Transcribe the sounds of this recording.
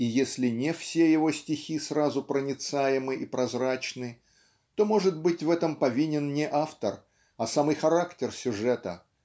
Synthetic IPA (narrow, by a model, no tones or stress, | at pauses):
ijesʲlʲɪnʲɪfsʲejɪvo̞sʲtʲɪxʲisrazʊpɾənʲɪt̪sajɪmɨʔipɾɐzrat͡ɕnɨ | t̪o̞mo̞ʐɨt̪bɨtʲvɛt̪əmpɐvʲinʲɪnnʲɪʔaft̪ər | ɐsamɨjxɐɾaktʲɪrsʲʊʐɛt̪ə